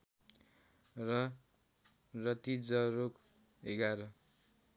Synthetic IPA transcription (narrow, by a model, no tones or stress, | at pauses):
rʌ | rʌt̪id͡zʌɾok | eɡaɾʌ